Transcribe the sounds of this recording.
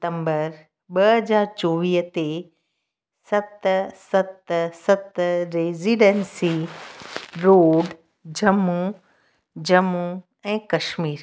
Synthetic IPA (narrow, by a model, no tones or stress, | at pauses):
t̪ə̃mbəɾ | ɓɐɦəzaːɾt͡ɕoːʋiːɦt̪e | sɐt̪sɐt̪sɐt̪ɾeːziːɖensi | ɾoːɖ | d͡ʑɐmːu | d͡ʑɐmːu | ɛ̃ːkɐʃmiːɾ